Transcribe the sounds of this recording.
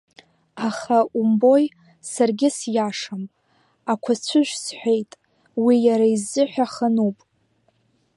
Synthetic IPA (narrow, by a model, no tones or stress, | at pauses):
aχaumbo̞j | sarɡʲɪsjaʂam | akʷʰat͡ɕʷʰʊʒʷᶣsħʷᶣejtʼ | wijaɾaizːɨħʷᶣaχənupʼ